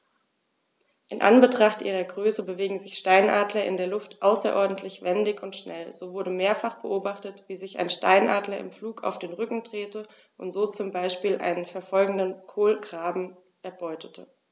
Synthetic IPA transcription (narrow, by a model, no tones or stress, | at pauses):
ʔɪnʔa̰nbətʁ̥aχtʔiːʁɐɡʁøːsəbəveːɡŋ̩zɪçʃtaɪnʔaːdlɐʔɪ̰ndeːɐlʊftʔaʊsɐ̰ʔɔɐdn̩tʰlɪçv̥ɛndɪçʊntʃnɛ̰lz̥oːvʊɐdəmeːɐfaχb̥əʔoːbaχtətv̥iːzɪça̰ɪnʃta̰ɪnʔaːdlɐɪ̰mfluːkʰa̰ʊfd̥eːnʁʏkŋ̩dʁ̥eːtə | ʔʊntz̥oːt͡sʊmbaɪʃpiːlʔa̰ɪnənfɛɐfɔlɡŋ̩dənkʰoːlɡʁaːbm̩ | ʔɛɐbɔʏtʰətʰə̰